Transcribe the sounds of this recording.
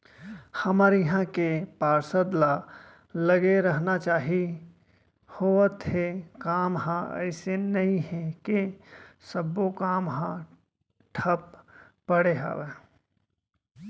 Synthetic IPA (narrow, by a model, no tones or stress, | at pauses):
hɐməɾiɦãkepaːɾsəd̪la | ləɡeɾəɦnat͡ʃaːɦi | hoːət̪ɦekaːmɦãɛ̰ɪsenɐɦĩɦekesəbːokaːmɦã | ʈʰəpː | əɽeɦa̰ːʋe